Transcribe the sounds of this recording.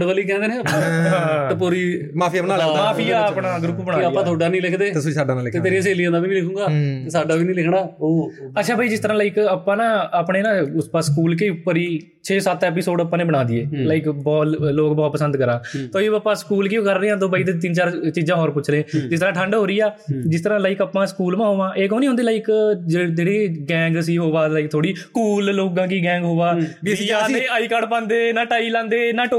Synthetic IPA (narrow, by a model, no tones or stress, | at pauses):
ɖʋaːliːkɛ̃nd̪eːnɛ̃ːəããt̪epuːɾiː | maːpʰiːəpnaːmaːpʰiːaːpɳaːɡɾʊpːbənaːaːãːt̪ʰoːɖaːnĩːlɪkʰd̪eːt̪ːsisaːɖãːnːlɪkt̪eːt̪eːɾĩãseːlijãːd̪aːʋiːnĩːlɪkʰũːɡaːt̪eːsaːɖaːʋiːnĩːlɪkʰɽaːoːətːʃʰaːbʱaːiːd͡ʒɪst̪əɾãːlaɪkəpːãːnaːapɳeːnãːʊspaskuːlkeʊpːəɾiː | t͡ʃʰeːsət̪ɛːp̬ɪsoːɖəpːãːnẽːbəɽ̃ãːd̪iːeːlaːɪkbɔːt̪loːkbɔːt̪pəsə̃nd̪kəɾãːt̪oːiːbaːpːãːskuːlkiõkəɾːẽːãːt̪̬õːbaiːt̪̬et̪ɪnt͡ʃaːɾt͡ʃiːd͡ʒãːɦoːɾpʊt͡ʃʰlẽːd͡ʒɪst̪əɾãːʈʰəɳɖɦoːɾiːaːd͡ʒɪst̪əɾãːlaːɪikəpːãːskuːlmãːɦoːʋãːʔeːkoːniːɦʊnd̪eːlaːikd͡ʒd͡ʒeːɽiːɡɛ̃ːŋɡsiːɦoːʋaːlaːɪk̚t̪ʰoːɽiːkuːlloːkãːkiːɡɛ̃ːŋɡɦoːʋaːjaẽːaːiːkaːɖpãːnd̪eːnaːʈaːiːlãːnd̪eːnãːʈo